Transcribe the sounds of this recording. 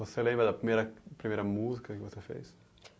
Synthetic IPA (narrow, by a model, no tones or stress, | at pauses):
voselẽmbɾɐd̪ɐpɾimejɾɐpɾimejɾɐmuzikɐkɪvosefḛjs